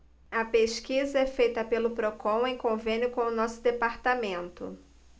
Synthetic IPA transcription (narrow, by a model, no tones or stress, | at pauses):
ɐpeʃkizɐɛfejt̪ɐpelʊpɾokõw̃ẽj̃kõvẽnjʊkõw̃ʊnɔsʊd̪epaɾt̪amẽnt̪ʊ̰